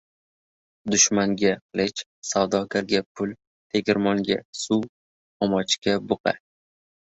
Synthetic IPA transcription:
d̪ʊʃmaŋɡʲaqɨlˠɪt͡ʃ | sawd̪ɒɡʲaɾɡʲapʰʊl | t̪ʰeɡʲɪɾmɒŋɡʲa̰su | ɒmɒt͡ʃkʲabʊqa̰

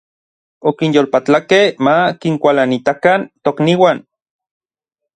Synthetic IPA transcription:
okinjolpat͡ɬakehmakiŋkʷalanit̪akant̪okniwan

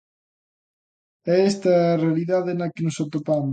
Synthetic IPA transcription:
ɛɛst̪ɐːrealiðaðenɐkenʊsot̪opamo

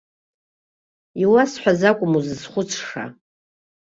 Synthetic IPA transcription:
iwasħʷᶣazakʷʼʊmuzɨzχʷʊt͡sʰʂa̰

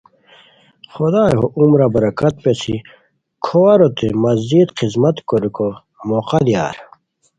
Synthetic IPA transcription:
xod̪aːjɦoʔumɾɐbɐɾɐkɐt̪̚pet͡sʰi | kʰoːɐɾot̪emɐzd͡ʑiːd̪qizmɐt̪koɾiko | moqɐd̪ija̰ːɾ

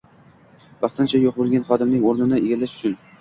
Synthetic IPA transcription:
bɑχt̪ʰɪnt͡ʃʰajoq̚bolˠɡʲanχɒd̪ɪmnɪŋoɾnɪnɪeɡʲalːaʃʊ̥t͡ʃʰʊn

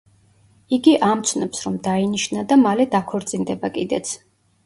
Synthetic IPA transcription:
iɡiʔamt̪sʰnɔpsɾɔmd̪ainiʃnad̪amalɛd̪akʰɔɾt̪sʼind̪ɛbakʼid̪ɛt̪sʰ

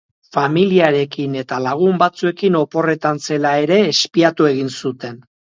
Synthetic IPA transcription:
familiaɾe̞kine̞t̪alaɣ̞umbat͡sue̞kino̞po̞re̞t̪anse̞lae̞ɾe̞ːspiat̪ue̞ɣ̞insut̪e̞n

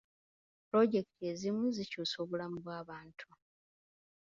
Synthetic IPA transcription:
pɾo̞ɟe̞ktʰe̞ːzimuzicuːso̞βulamuβwaːβaːntʰu

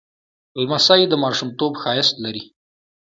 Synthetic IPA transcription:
lmasɑjid̪əmɑɾʃumt̪obxɑjɪst̪laɾi

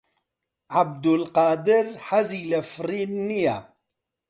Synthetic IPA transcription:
ʕab̚d̪ulqaːd̪ɪɾħaziːlɐfɾiːnːija

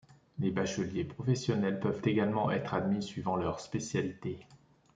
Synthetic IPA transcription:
lebaʃɔljepχɔfɛsjɔnɛlpœvt̪eɡalmɑ̃ʔɛt̪χad̪misɥivɑ̃lœʁspesjalit̪e

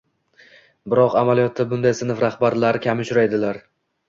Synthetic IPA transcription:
bɪɾɒqamalijɒt̪ʰːabʊnd̪ajsɪnɪfɾahbaɾlaɾkʲʰamʊʃʊɾajd̪ɪlaɾ

